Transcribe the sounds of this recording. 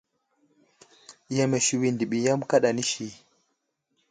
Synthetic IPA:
ja˨me˨ʃi˨wi˨ndi˨ɓi˨ja˦mka˦ɗa˨ni˦ʃi˨

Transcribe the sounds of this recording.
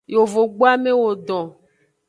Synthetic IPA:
jo˨vo˨ɡ͡bo˦a˦me˦wo˨ɖɔ̃˨

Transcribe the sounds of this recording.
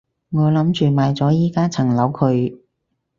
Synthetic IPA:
ŋɔː˨˧lɐ˨˥mt͡ʃyː˨maː˨˧jt͡sɔː˨˥jiː˥kaː˥t͡sʰɐ˨˩ŋlɐ˨˥wkʰɵ˨˧ɥ

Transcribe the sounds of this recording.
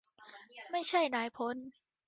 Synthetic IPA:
ma˥˩jt͡ɕʰa˥˩jnaː˩˦jpʰo˨˦˥n

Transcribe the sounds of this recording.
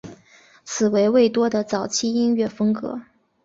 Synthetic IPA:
t͡sʰɹ̩˨˩we˧˥ɪwe˥˩ɪt̪wɔ˥d̪ə˨t͡sɑ˨˩ʊt͡ɕʰi˥˧i˥nɥɛ˥˩fɤ˥ŋkɤ̰˧˥

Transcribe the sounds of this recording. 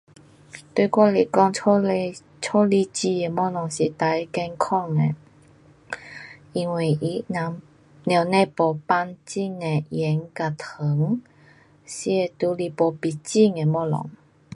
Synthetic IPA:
t̪we˥˧kwɔ˥˧li˨kɔ˥˧˨ŋ˧ | t͡ɕʰɔ˥˦li˧t͡ɕi˧˩e˨mɔ˥˧lɔ˨˩ŋɕi˨t̪a˨˧˦jkɛ˧nkʰɔ˥˧ŋe˨ | i˧ŋwe˨˩ʔi˧˦na˨ | nja˨˩nẽ˥˧˨pɔ˨˩pa˧nt͡ɕi˥˧ŋe˨jɛ˨˦ŋka˨t̪ʰə˨˦ŋ | ɕi˧e˨˩t̪u˧li˧pɔ˨pi˨˩t͡ɕi˥˧ŋe˨mɔ˥˧lɔ̰˨˦ŋ

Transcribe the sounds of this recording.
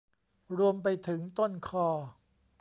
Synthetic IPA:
ɾu˧əmpa˧jt̪ʰɯ˩˦ŋt̪o˥˩nkʰɔː˧˩

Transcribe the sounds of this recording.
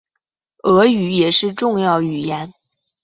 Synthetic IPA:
ɤ˧˥y˧˥jɛ˨˩ʂɻ̩˥˧ʈ͡ʂʊ˥˧ŋjɑ˥˩ʊy˨˩jɛ˧˥n

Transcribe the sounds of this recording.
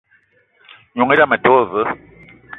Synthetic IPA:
ɲu˨ŋe˦ɾa˦˨mə˨to˦˨və˨˦

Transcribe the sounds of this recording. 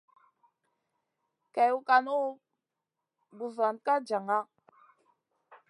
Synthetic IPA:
ka˨ju˨ka˨nu˦ | bu˨za˨nka˦d͡ʒa˨ŋa˦

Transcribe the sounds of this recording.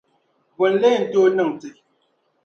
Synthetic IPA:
bɔ˨n̩˦le˦˨n̩˨to˦nɨ˦˨ŋ˨ti˨

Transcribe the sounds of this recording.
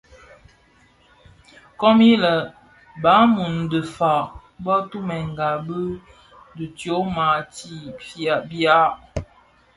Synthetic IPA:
kɔ˦mi˦lə˨ | ba˨˦mu˨n˨də˨fa˨ | bɔ˦tu˦mɛ˨ŋɡa˨bə˦ | də˨tjo˨˦ma˨ti˦fa˨bja˦

